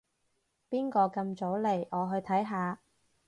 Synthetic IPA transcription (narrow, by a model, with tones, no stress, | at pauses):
piː˥nkɔː˧kɐ˧mt͡so˨˥wle˨˩jɔː˨˧ɦɵ˧ɥt̪ʰɐ˨˥jɦaː˨˧